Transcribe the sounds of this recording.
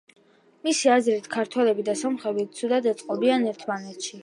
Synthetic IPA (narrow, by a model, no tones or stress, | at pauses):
misiazɾit̪kʰaɾt̪ʰwɛlɛbid̪asɔmχɛbit̪sʰud̪ad̪ɛt̪sʼqʼɔbianɛɾt̪ʰmanɛt̪ʰʃi